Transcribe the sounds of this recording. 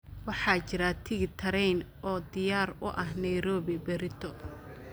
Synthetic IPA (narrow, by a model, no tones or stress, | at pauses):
wɑħɑːt͡ʃɪɾat̪ʰɪɣɪt̪ʰɐɾɛjnɔːd̪ɪjaːɾʊ̰ʔɐɦnɐjɾɔːbɪbɛɾɪt̪ʰɔ